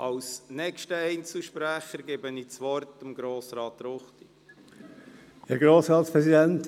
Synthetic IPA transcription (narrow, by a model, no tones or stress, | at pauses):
ʔɑwsnɛkʃtəɛɪnt͡suʃpɾæχəɾɡebəniːt͡sʋɔrtəmɡɾoːsɾɑːtɾoχt̪i | hɛɡɾoːsʁɑːtspɾɛsid̪ɛnt